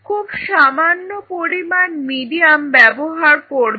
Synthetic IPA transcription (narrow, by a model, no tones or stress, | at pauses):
kʰubʃamanːopoɾimanmiɖiambɛboɦaɾkoɾ